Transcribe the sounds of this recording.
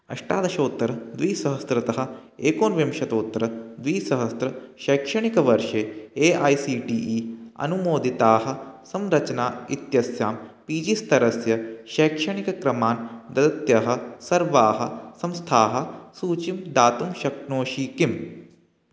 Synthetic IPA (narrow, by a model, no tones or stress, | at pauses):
ɐ̰ʃʈaːd̪ɐʃoːt̪ːɐɾɐd̪ʋiːsɐɦɐst̪ɾɐt̪ɐɦɐ̆ | eːkoːnʋimʃɐt̪oːt̪ːɐɾɐd̪ʋiːsɐɦɐst̪ɾɐʃeːkʃɐɳ̃ikɐʋɐɾʃeːeːaːjsiːʈiːʔiːɐ̰numoːd̪it̪aːɦɐ̆sɐmɾɐt͡ʃnaːit̪jɐsjaːmpiːd͡ʒist̪ɐɾɐsjɐʃeːkʃɐɳ̃ikɐkɾɐmaːnd̪ɐd̪ɐt̪jɐɦɐ̆sɐɾʋaːɦɐ̆sɐ̃mst̪ʰaːɦɐ̆suːt͡ʃimd̪aːt̪umʃɐknoːʃiːkim